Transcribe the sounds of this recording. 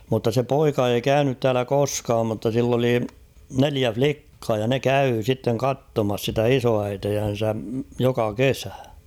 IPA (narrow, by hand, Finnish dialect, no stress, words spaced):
mutːɑ se poikɑ ei kæynyt tæːlæ koskɑːm mutːɑ silː oli neliæ flikːɑː jɑ ne kæy sitːeŋ kɑtːomɑs sitæ isoæitejæn̞sæ jokɑ kesæ